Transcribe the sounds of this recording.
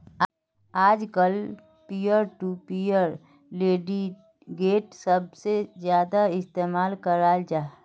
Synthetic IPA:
aːd͡ʒkəl | pijəɾʈupijəɾ | leːɖi | ɡeːʈsəb̚sezjaːd̪aɪst̪eːmaːlkəɾaːld͡ʒaː

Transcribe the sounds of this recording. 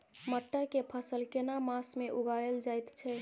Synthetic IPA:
məʈːakepʰəsəlkenamasmeʔuɡajeld͡ʒajt̪t͡ʃʰɛ

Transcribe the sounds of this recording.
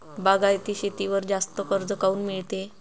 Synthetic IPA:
baɡajt̪iːɕet̪iʋəɾd͡zast̪əkəɾd͡zəkauːnmiɭt̪e

